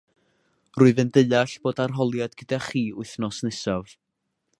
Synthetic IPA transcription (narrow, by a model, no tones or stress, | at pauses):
rʊɨðəndəjaɬb̥oːdarɦɔlˠjadɡ̥ədaχiːʊɨθnɔsnɪsav